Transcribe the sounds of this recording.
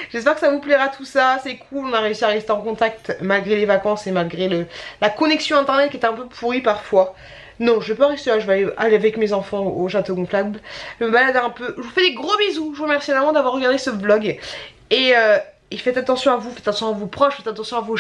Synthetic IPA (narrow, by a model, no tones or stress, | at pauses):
ʒ̥ɛspɛʁkə̥savuplɛʁat̪ʰusasɛkʰulɔ̃naʁeysiaʁɛst̪eɑ̃kɔ̃t̪ak̚t̪malɡʁelevakɑ̃semalɡʁeləlakɔnɛksjɔ̃ɛ̃t̪ɛʁnɛt̪kʲɛt̪ɛɛ̃pøpʰuʁipaʁfwa | nɔ̃ʒəvɛpaʁɛst̪elaʒəvalealeavɛkmezɑ̃fɑ̃oʃat̪oɡɔ̃flad̪ʒəməbalad̪ɛ̃pøʒəvufɛd̪eɡʁobezuʒəvuʁəmɛʁsinɛlmɑ̃d̪avwaʁːəɡaʁd̪esəblɔɡ | eø | efɛt̪at̪ɑ̃sjɔ̃avufɛt̪at̪ɑ̃sjɔ̃avupχɔʃfɛt̪at̪ɑ̃sjɔ̃avo